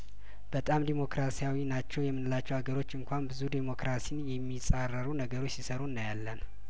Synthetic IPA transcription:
b̥ət̪ʼamd̪emo̞kɾasijawinat͡ʃːɛwjɛmːɨnɨlat͡ʃːɛwhaɡəɾo̞t͡ʃːɨŋkʷʰambɨzud̪emo̞kɾasinjɛmːisʼarːəɾunəɡəɾot͡ʃːsisəɾunːajalːən

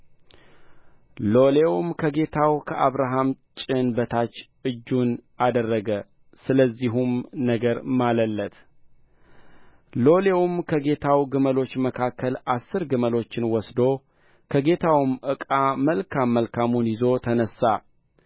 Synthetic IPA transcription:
lo̞le̞wmkʰəɡe̞t̪ʰawkʰəʔaβɾaɦamt͡ʃʼɪnbət̪ʰat͡ʃː | ɨd͡ʒːun | ad̪ərːəɡə | sɨləzːiɦumnəɡəɾmaləlːət̪ | lo̞le̞wumkʰəɡe̞t̪ʰawɡɨməlo̞t͡ʃːməkʰakʰːəlasːɨɾɡɨməlo̞t͡ʃːɪnwɔsd̪o̞ | kʰəɡe̞t̪ʰawmʔɨkʼaməlkʰamːəlkʰamunjɪzo̞t̪ʰənəsːa

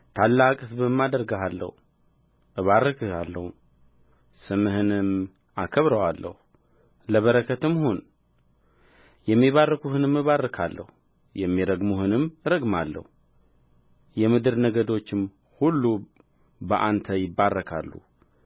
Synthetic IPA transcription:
t̪ʰalːakʼɨsbɨmːad̪əɾɡaɦalːə̰hu | ʔɨβarːəkʰɨalːəhu | sɨmɨhɨnɨm | akʰəβɾəwalːə̰hu | ləβəɾəkʰːət̪ɨmːhon | jɛmːiβarːəkuhɨnɨmːɨβarːɨkʰa̰lːə̰hu | jɛmːiɾəɡmuhɨnɨmɾəɡmalːə̰hu | jɛmɨd̪ɨɾnəɡəd̪o̞t͡ʃːɪm | hulːu | bəʔant̪ʰəjɪbːarːəkʰa̰lːṵ

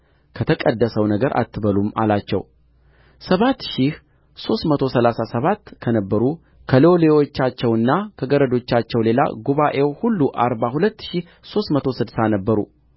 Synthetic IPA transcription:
kʰət̪ʰəkʼəd̪ːəsəwnəɡəɾʔa̰t̪ʰːɨβəluma̰lat͡ʃːɛ̰w | səβat̪ːʃih | so̞st̪mət̪ʰo̞səlasasəβat̪ːkʰənəbːəɾu | kʰəlolewot͡ʃːat͡ʃːɛwɨnːakʰəɡəɾəd̪o̞t͡ʃːat͡ʃːɛwle̞la̰ɡuβaʔe̞whulːuʔaɾbahulət̪ːʃih | so̞st̪mət̪ʰo̞sɨd̪sanəbːəɾṵ

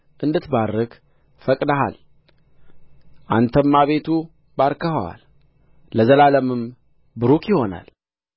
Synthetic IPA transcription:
ʔɨnd̪ɨt̪baɾək | fəkʼd̪aɦa̰l | ʔant̪ʰəmːaβe̞t̪ʰu | baɾkəhəwa̰lː | əzəlaləmɨm | bɨɾukjɪho̞na̰l

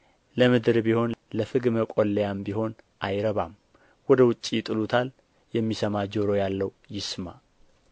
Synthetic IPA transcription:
ləmɨd̪ɨɾbiho̞nləfɨɡməkʼolːejambiɦo̞n | ʔajɾəβa̰m | wɔd̪əwʊt͡ʃʼːijɪt̪ʼɨlut̪ʰal | jɛmːisəmad͡ʒoɾo̞jalːəw | jɪsma

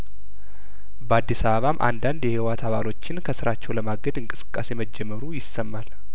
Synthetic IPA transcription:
bəad̪ːisaβəβamʔa̰nd̪and̪jɛhiwat̪ʰaβalo̞t͡ʃːɪnkʰəsɨɾat͡ʃːɛwləmaɡəd̪ɨŋkʼɨsɨ̥kʼːa̰se̞məd͡ʒːɛmːəɾujɪsəmːal

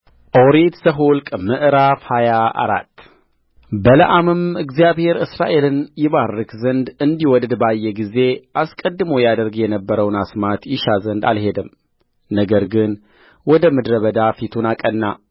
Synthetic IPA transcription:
ʔoɾit̪səɦulkʼmɨʔɾafhajaa̰ɾa̰t̪ː | bələʔamɨmɨɡzijaβhe̞ɾɨsɾaʔe̞lɨnjɪβarːɨkʰzənd̪ɨnd̪iwɔd̪d̪bajːɛɡize̞ʔaskʼəd̪ːɨməwjad̪əɾɡjɛnəbːəɾəwnasmat̪jɪʃazənd̪a̰lhe̞d̪ɨm | nəɡəɾɡɨn | wɔd̪əmɨd̪ɾəβəd̪afit̪ʰunakʼənːa

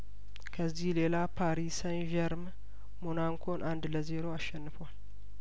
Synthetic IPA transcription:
kʰəzːihle̞lapʰaɾisənʒɛɾm | monaŋkʰo̞nʔand̪ləze̞ɾo̞aʃːɛnːɨfoal

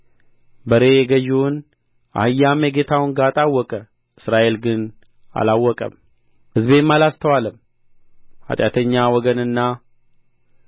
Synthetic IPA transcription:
bəɾe̞jɛɡəʒun | ʔa̰hɨjːameɡe̞t̪ʰawʊnɡat̪ʼawːɔkʼə | ʔɨsɾaʔe̞lɡɨn | a̰lawːɔkʼə̰m | hɨzbe̞mːalast̪ʰəwaləm | a̰t̪ʼjat̪ʰəɲːawɔɡənɨnːa

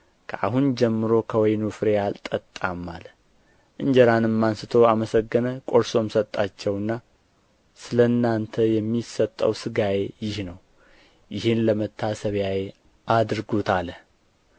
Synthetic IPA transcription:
kʰəʔa̰ɦund͡ʒɛmːɨɾo̞kʰəwɔjnufɨɾejalt̪ʼːət̪ʼːamːalə | ʔɨɲd͡ʒəɾanɨmːansɨt̪ʰo̞aməsəɡːənəkʼo̞ɾso̞msət̪ʼːat͡ʃːɛwɨnːa | sɨləɨnːant̪ʰəjɛmːisət̪ʼːə̰wsɨɡajejɪhnəw | jɪhɪnləmət̪ʰːasəβjaje | ʔad̪ɾɡot̪ʰalə

